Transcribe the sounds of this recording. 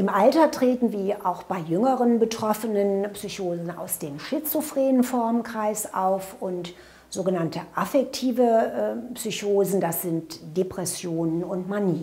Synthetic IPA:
ʔɪmʔaltɐtʁ̥eːtn̩viːɐʔaʊxb̥aɪjʏŋəʁənbətʁ̥ɔfənənpsyçoːzn̩a̰ʊsd̥eːmʃɪt͡sʊfʁ̥eːnənfɔɐmkʁ̥aɪsʔa̰ʊfʊnt | z̥oːɡənantəʔafɛk̚tʰiːvəpsyçoːzn̩dasz̥ɪntd̥epʁ̥ɛsjoːnənʊntmaniː

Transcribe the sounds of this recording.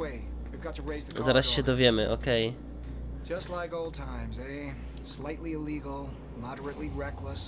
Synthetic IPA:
weɪ | wivɡɑtʰɨɹeɪzðɨzaɾasɕɛd̪ɔvʲjɛmɘʔɔkɛj̥ | d͡ʒ̥ʌstˡlaɪkoʊlˠd̚tʰãɪ̃mzeɪ | slaɪtˡliɪliɡl̩ˠ | mɑɾə˞ɨtˡliɹɛkləs

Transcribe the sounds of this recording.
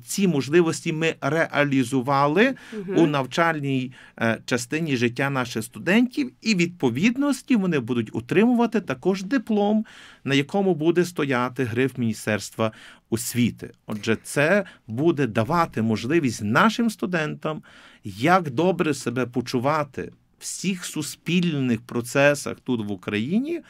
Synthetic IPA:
t͡sʲimɔʒlˠɪʋɔsʲtʲimɪrɛʔɐlʲizʊʋɑlˠɪunɐwt͡ʃɑlʲnʲij | t͡ʃɐst̪ɪnʲiʒɪtʲːanɑʃɪxst̪ʊd̪ɛnʲtʲiwiʋʲid̪̚pɔʋʲid̪nɔsʲtʲiʋɔnɪbud̪ʊtʲɔ̰t̪ɾɪmʊʋɐt̪ɪt̪ɐkɔʒd̪ɪplˠɔmnɐjɐkɔmʊbud̪ɛst̪ɔjɑt̪ɪɦɾɪwmʲinʲist̪ɛrst̪ʋɐʊsʲʋʲit̪ɪ̰ɔʒɛt̪sɛbud̪ɛd̪ɐʋɑt̪ɪmɔʒlˠɪʋʲisʲtʲnɑʃɪmst̪ʊd̪ɛnt̪ɐmjɐɡd̪ɔbɾɛsebɛpɔt͡ʃʊʋɑt̪ɪ̰ | w̥sʲixsʊsʲpʲilʲnnɪxpɾɔt̪sɛsɐ̰xt̪ut̪ʋʊkɾɐjinʲi

